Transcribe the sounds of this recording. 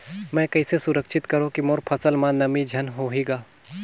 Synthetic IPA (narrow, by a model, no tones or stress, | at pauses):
mɛ̃ːkɐisesʊɾəkʃʰɪt̪kɐɾõkimoːɾpʰɐsəlmãnɐmid͡ʒʱɐnɦoːɦiːɡaː